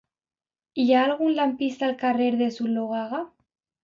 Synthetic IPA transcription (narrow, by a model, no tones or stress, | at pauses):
iaːlɣunlampist̪alkareɾðesuɾloɣaɣa